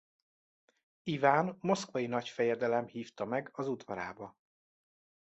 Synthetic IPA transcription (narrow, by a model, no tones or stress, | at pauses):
ivaːnmo̞skʋɒjinɒcfɛjɛd̪ɛlɛmhiːft̪ɒmɛɡɒzud̪vɒɾa̰ːbɒ